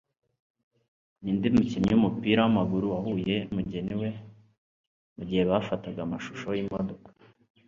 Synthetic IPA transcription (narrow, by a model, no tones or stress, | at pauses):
niːndimucimɲiwumupiːɾawamaɡuɾuwahuje̞umuɟeniwe̞ | muɟihe̞βafataɡamaʃu̥ʃojimodo̞kḁ